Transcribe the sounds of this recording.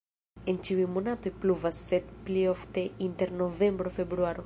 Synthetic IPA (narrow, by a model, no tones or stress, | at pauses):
ent͡ʃiujmonat̪ojpluvasːet̪plioft̪eint̪eɾnovembɾofebɾuaɾo